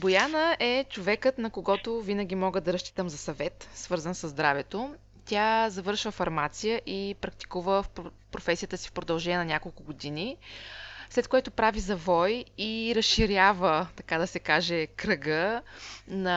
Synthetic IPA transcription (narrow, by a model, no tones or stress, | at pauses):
bojanəʔɛt͡ʃovɛkət̪nɐkoɡɔt̪ovinəɡ̟ʲimɔɡəd̪ɐɾɐʃt͡ʃ̪i̥t̪əmzɐsɐvɛt̪svɤɾzənsəzd̪ɾavɛt̪o | t̪ʲjazɐvɤɾʃvəfɐɾmat̪sijəʔipɾɐk̚t̪i̥kuvəf | pɾofɛsijət̪əsi̥fpɾod̪ɐlˠʒɛniɛnɐnʲakolˠkʊɡod̪ini | slɛt̪̚koɛt̪opɾavizɐvɔjiɾɐsʃiɾʲjavət̪ɐkad̪ɐsɛkaʒɛkɾəɡə | nɐ